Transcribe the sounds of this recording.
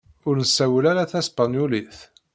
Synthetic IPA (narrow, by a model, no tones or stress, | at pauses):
ʊɾnəsæwəlæɾaθæspanjuliθ